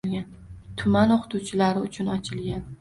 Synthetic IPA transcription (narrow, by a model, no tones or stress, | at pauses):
ɡʲan | t̪ʰʊmanoqʰɨ̥t̪ʰuwt͡ʃʰɪlaɾɪʊt͡ʃʰʊnɒt͡ʃʰɪlɡʲan